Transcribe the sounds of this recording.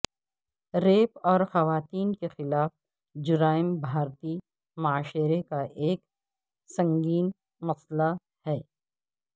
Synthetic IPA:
ɾeːpɔːɾxɐʋaːt̪iːnkexɪlaːf | d͡ʒʊɾaːɪmbʱaːɾt̪i | maaːʃɪɾekaʔeːk | sɐ̃ŋɡiːn | mɐsla | hɛː

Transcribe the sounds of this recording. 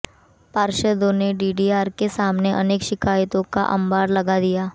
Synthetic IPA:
paːɾʃəd̪õneɖiːɖiaːɾkesaːmneʔɐneːkʃɪkaːjət̪õka̰ʔɐ̰̃mbaːɾlɐɡad̪ijaː

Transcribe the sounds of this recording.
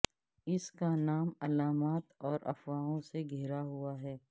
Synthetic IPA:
ɪskanaːmɐlaːmaːt̪ɔːɾʔɐ̰fwaːõseɡʱeːɾaɦuaɦɛː

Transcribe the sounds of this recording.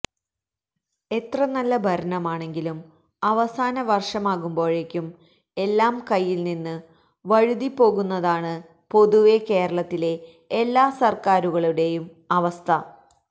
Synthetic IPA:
e̞t̪rɐnɐlːɐbʱɐɾɐɳɐmaːɳe̞ŋɡilum | ɐʋɐsaːnɐʋɐrʂɐmaːɣumbo̞ːɻe̞kʲːum | e̞lːaːmkɐjːilninːɨ | ʋɐɻuðipːo̞ːɣunːɐðaːɳɨ | po̞ðuʋe̞ke̞ːɾɐɭɐt̪ːile̞ː | lːaːsɐrkaːɾuɣɐɭuɽe̞jum | ɐʋɐst̪ʰɐ

